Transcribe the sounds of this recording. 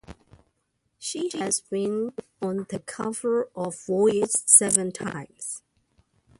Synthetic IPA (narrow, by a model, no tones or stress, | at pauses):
ʃihæzbĩn | ə̃nðəkʰʌvə˞ʔɔvːɔɪɪd͡ʒsɛvə̃ntʰã̰ɪ̃ms